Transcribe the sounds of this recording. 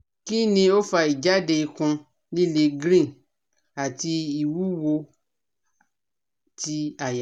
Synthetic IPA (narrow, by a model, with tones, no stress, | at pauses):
ki˦nĩ˧o˦fa˧i˨d͡ʒa˨˦de˧i˧kũ˧ | li˦le˧ɡɾĩ˦˨n | a˨ti˧i˨wu˦wo˧ | ti˧a˨ja˨